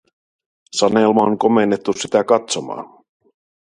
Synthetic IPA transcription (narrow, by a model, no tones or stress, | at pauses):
sɑne̞ːlmɑoŋko̞menːet̪ːusit̪ækɑt̪so̞mɑ̰ːn